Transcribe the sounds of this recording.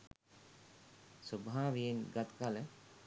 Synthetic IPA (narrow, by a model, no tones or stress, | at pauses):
subʱaːʋijenɡat̪kalə